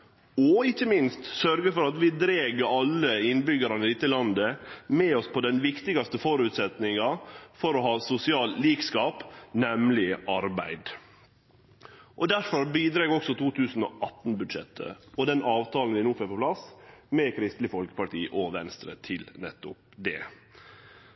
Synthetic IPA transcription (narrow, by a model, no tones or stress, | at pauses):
ɔɪçːəmɪnst̪sœɾɡəfɔɾɑt̪ʋɪd̪ɾeːɡəɾɑlːəɪnbʏɡəɾɑnəlɪt̪ːəlɑnd̪əmɛɔspʰɔd̪ɛnʋɪkt̪ɪɡɑst̪əfɔɾʉːt̪sɛt̪nɪŋɑfɔɾɔɦɑːsʊsɪɑːlliːkskɑːpnɛmlɪʔɑɾbæ̰ɪd̪ | ʔɔd̪æɾfɔɾbiːd̪ɾɑːɡɔksɔt̪ʰuːt̪ʰʉːsn̩ɔ̰ʔɑt̪ːn̩bʉd̪ʃɛ̰t̪ʰːə̰ɔd̪ɛnɑːʋt̪ʰɑːln̩ʋɪnoːfɛːɾpɔpʰlɑsmɛkʰɾɪst̪lɪfɔlkə̥pɑʈiːʔɔʋɛnst̪ɾə̰t̪ʰɪlnɛt̪ːʊ̰p̚ | d̪ɛ̰